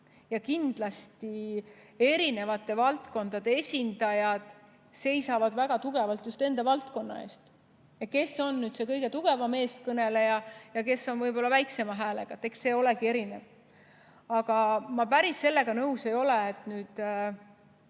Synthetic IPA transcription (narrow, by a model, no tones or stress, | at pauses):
jɑkind̪lɑst̪i | e̞ɾine̞vɑt̪ːˑe̞vɑlt̪ko̞nd̪̥ɑd̪̥e̞e̞sʲind̪̥ɑjɑd̪̥ | se̞jsɑvɑd̪̥væɡ̥ɑt̪uɡ̥e̞vɑlt̪just̪e̞nd̪̥ɑvɑlt̪ko̞nːɑ̰e̞̰ːst̪ | jɑke̞sːo̞nːyːd̪se̞kɤjɡ̥e̞t̪uɡ̥e̞vɑme̞ːskɤne̞le̞jɑjɑke̞sːo̞nvɤjbo̞lːɑvæjkse̞mɑɦæːle̞̰ɡ̥ɑt̪ːˑe̞kse̞ːo̞le̞ɡie̞ɾine̞v | ɑɡ̥ɑmɑpæɾisːe̞lːe̞ɡ̥ɑnɤwse̞jo̞leːt̪ˑnyːd̪̥